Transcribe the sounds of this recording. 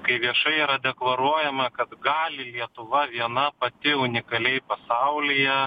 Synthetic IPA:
kɐɪʋʲiɛʃɐɪiːɾɐd̪ʲɛklˠɐɾuɔjɛmɐkɐt̪ɡɑːlʲɪlʲiɛt̪ʊʋɐʋʲiɛnɐpɐt̪ʲɪʊnʲɪkɐlʲɛɪpɐsɐʊlʲɪjɛ

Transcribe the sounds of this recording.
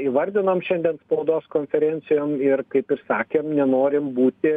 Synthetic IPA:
iːʋɐɾʲd̪ʲɪnɐmʃʲɛnd̪ʲiɛnspɐʊd̪oːskoːnʲfʲɛɾʲɛnʲtsʲɪjoːmɪrkɐɪpɪɾsɑːkʲeːmnʲɛnoːɾʲɪmbuːt̪ʲɪ

